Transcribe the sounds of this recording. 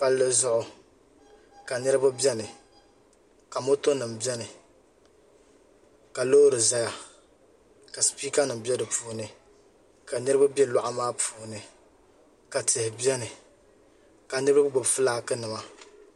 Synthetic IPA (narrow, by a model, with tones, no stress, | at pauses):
pa˦lːɨ˦zʊ˦ʔʊ˨ | ka˨nɨ˦ɾɨ˦ba˦bɛ˦nɨ˨ | ka˨mo˦to˦nɨ˨m̩˨bɛ˦nɨ˨ | ka˨lo˦ɾɨ˨za˦ja˨ | ka˨sɨ̥˨piː˦ka˦nɨ˨m̩˨bʲɛ˦dɨ˨puː˦nɨ˨ | ka˨nɨ˦ɾɨ˦ba˦bʲɛ˦la˦ʔa˨maː˦pʰuː˨nɨ˨ | ka˨tɪ˨hɪ˨bjɛ˦nɨ˨ | ka˨nɨ˦ɾba˦ba˦ɡ͡bʊ˨bfɨ˦laː˦kɨ˦nɨ˨ma˨